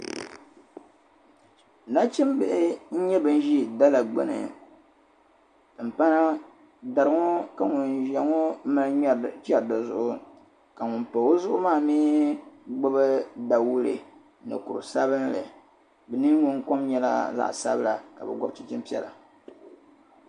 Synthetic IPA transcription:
na˦t͡ʃɪ˦m˦bɛ˦˨ʔɪ˦n̩˦ɲɛ˦bɨ˨n˦ʒi˦da˦la˨ɡ͡bɛ̰˨nɨ̰˨ | ɨ˨m̩˨pa˦na˦ | da˨ɾɨ˨˦ŋo˦ka˨ŋʊ˨nʒa˨ŋo˦ma˦lɲ˦˨t͡ʃɛ˦ɾda˨zʊ̰˨˦˨ʔʊ˦ | ka˨ŋʊ˨npa˨wo˦zʊ˦ʔʊ˦maː˦˨miː˦ɡ͡bʊ˦bɨ˦da˨wu˦lɨ̰˨ | nɨ̰˨ku˨ɾɨ̰˨sa˦βɨ˦nlɨ˨ | bɨ˨nɨ˦ŋʊ˦ŋko˦mɲɛ˦la̰˦za̰˨ʔsa̰˦bɨ˦la̰˨ka̰˨bɛ̰˨ɡʷʊ˦bt͡ʃi˦t͡ʃɪ˦mpi˦ɛ̰˦la̰˨

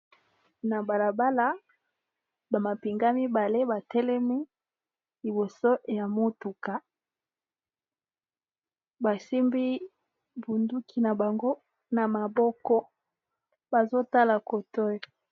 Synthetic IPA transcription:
na˨ba˨la˨ba˦la˦ | ba˨ma˨pi˨ŋɡa˦mi˦ba˨le˦ba˨tɛ˦lɛ˦mi˦ | li˨bo˨so˦ja˨mo˦tu˨ka˨ | ba˨si˦mbi˦ | bu˨ndu˦kʰi˨na˨ba˨ŋɡo˦ | na˨ma˨bɔ˦kɔ˦ | ba˨zo˦ta˦la˨ko˨tɔ˦jɔ˨

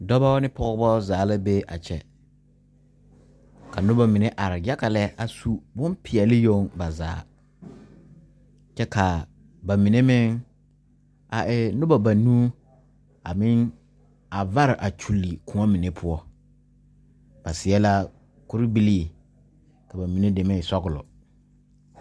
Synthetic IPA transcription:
dɔ˦ba˦nɪ˦pʰɔ˦ɣɔ˦bɔ˦zaː˨˦la˦be˦ʔa̰˨t͡ʃʰɛ˨ | ka˨nʊ˦ba˨mi˨ne˦ʔa˨ɾɪ˨ja˦ka˨lɛ˦a˨su˦bʊ˦mpʰɪ˨ɛ˨lɪ˦jo˦ŋba˨za̰ː˨˦ | t͡ʃɛ˦ka˨ | ba˨mi˨ne˦mɪ˦ŋ | a˨ɪ˦nʊ̃˦ba˨ba˨nũ˦ | a˨mɪ̃˦n | a˨va˦ɾɪ˨ʔa˨t͡ʃʰu˨lːi˨kʰũ˦a˦mĩ˨nẽ˦pʰʊ˦ɔ˦ | b̥a˨sɪ˨ɛ˦la˦ | kʊ˦ɾɪ˦bi˦li˦e˨ | kʰa˨ba˨mĩ˨nẽ˦dɛ˨mɛ̃˦˨sɔ˦ɡʊ˨lʊ̰˨

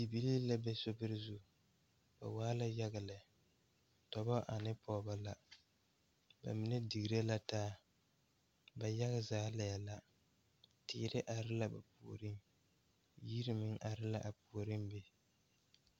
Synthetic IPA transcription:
bi˨bi˦li˦la˦bɛ˦so˦bɨ˦ɾɨ˦zu˦ | ba̰˨waː˦la˦ja˦ɣa˨la˨ | tɔ˨bɔ˦ʔa˨nɨ˦pʰɔː˦ba˦la˨ | ba̰˨mi˨nɛ˦di˨ɡɾa˦la˦taː˦ | ba˨ja˦ɣa˨zaː˦la˨ja˨la˦˨ | tɪ̰˨˦ɾɪ˦ʔa˨ɾɪ˦la˦ba̰˨pṵ˨o̰˨ɾɨ˦n | ji˦ɾɪ˦mɨ˦ŋʔa˨ɾɪ˦la˦ʔa˨pu˨o˨ɾɨ˦m˦be˦

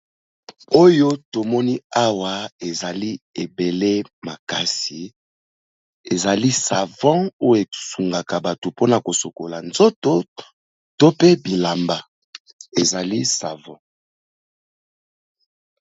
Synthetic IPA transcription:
o˦jo˦to˨mɔ˦ni˦a˦wa˨e˨za˨li˦e˨be˨le˦ma˨ka˨si˨ | e˨za˨li˦sa˨vɑ̃˦o˦jo˦e˨su˨ŋɡa˨ka˨ba˨to˨po˦na˨ko˨so˨ko˨la˨nzo˦to˦ | to˦pe˦bi˨la˨mba˨ | e˨za˨li˦sa̰˨vɑ̃˦

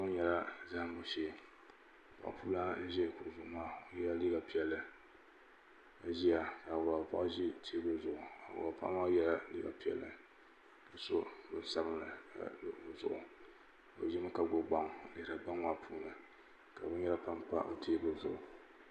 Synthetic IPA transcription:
bɨ˦ɲɛ˦la˦za˦m˦bo˨ʃe˦˨ | pa̰˨ʔpuː˦la˦ʒɛ˦˨kʊ˨ʔzʊ˦˨ʊ˨˦maː˦o˨jɛ˦la˦li˦ɡa˨pi˦ɛ˨lːɨ˦ | a˨ʒi˦ja˨ka˨a˨pa̰˦ʔʒi˦˨tʰe˦bɨ˦zʊ˨ʔʊ˨a̰˨ba˨pa̰˦ʔmaː˦jɛ˦la˦lḭ˦ɡa˨pi˦ɛ̰˨lːɨ˦ | bɨ˨so˦bɨ˦n˦sa˦bɨ˦nɨ̰˨ | zʊ̰˨ʔʊ˨ | o̰˨ʒɪ˦mɨ˦ka˦ɡo˦ɡ͡ba˦ŋ˨lɨ˨hɾa˨ɡ͡ba˦ŋma˦pʰuː˦nɨ˨ | ka˨bɨ˦nɲɛ˦la˦pa˦mpa̰˦ʔo̰˨tʰi˦bɨ˦zʊ˨ʊ˨

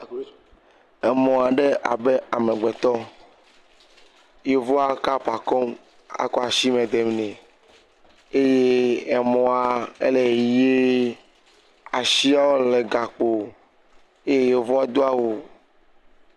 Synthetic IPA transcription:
ɛ˨mɔ̃˨a˨ɖe˦ʔa̰˨be˦a˨me˨ɡ͡be˨t̪ɔ˦ | je˦vɔ˦a˦ka˦pa˨kɔ˦m | a̰˨kɔ˦a˨ʃi˦mẽ˨d̪e˨m˨nɛ̃˨ | e˦je˦ɛ˨mɔ̃˨a˨ḛ˦le˨je˦ | a˨ʃi˦a˦wo˦le˨ɡa˨k͡po˨ | e˦je˦je˦vɔ˦a˦d̪o˦a˦wo˨

